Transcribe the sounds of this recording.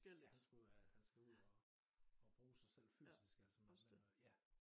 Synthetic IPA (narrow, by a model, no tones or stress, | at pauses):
jhænsɡ̥ˠæhænsɡ̥æuð̰ˠɒ | ɒb̥ʁuːsɑ̈ɪsel̰fy̰sisɡ̥ælsəmenjæ